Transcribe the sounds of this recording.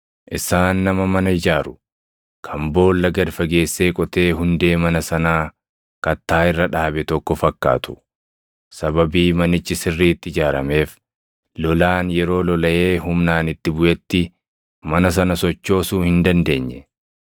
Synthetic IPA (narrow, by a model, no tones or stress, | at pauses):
ʔɪsaːnːɐmɐmɐnɐɪd͡ʒaːɾʊ | kʰɐmbo̞ːlːɐɡɐd̪fɐɡe̞ːsːe̞ːkʼɔt̪e̞ːɦʊnd̪e̞ːmɐnɐsɐnaː | kɐt̪ːaːɪrːɐᶑaːbɛt̪ɔkːɔfɐkːa̰ːt̪ʊ̥ | sɐbɐbiːmɐnɪt͡ʃːɪsɪrːiːt̪ːɪɪd͡ʒaːɾɐme̞ːf | lɔlaːnjɛɾo̞ːlɔlɐʔe̞ːhʊmnaːnɪt̪ːɪbʊʔɛt̪ːɪ | mɐnɐs̬ɐnɐsɔt͡ʃːo̞ːsuːhɪnd̪ɐnd̪e̞ːɲːɛ